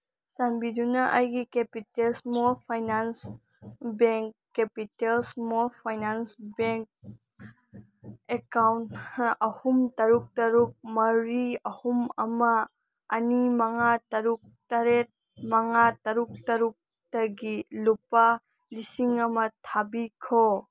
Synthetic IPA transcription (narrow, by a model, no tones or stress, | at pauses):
sanbidunɐʔajɡikepitelsmolpʰajnans | beŋkːepitelsmolpʰajnansbeŋk̚ | ekawntʔɐhumtɐɾuk̚tɐɾuk̚mɐɾiɐhumɐmɐː | nimɐŋatɐɾuk̚tɐɾet̚ | mɐŋatɐɾuk̚tɐɾuk̚ | tɐɡilupa | lisiŋɐmɐtʰabikʰo